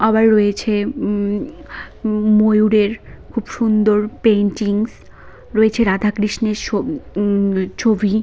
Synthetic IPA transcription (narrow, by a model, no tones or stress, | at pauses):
ɔbaɾːɔet͡ɕʰe | mojuɾeɾkʰubʃund̪oɾpenʈiŋs | ɾoet͡ɕʰeɾad̪ʱakɾiʃneɾo | t͡ɕʰobʱi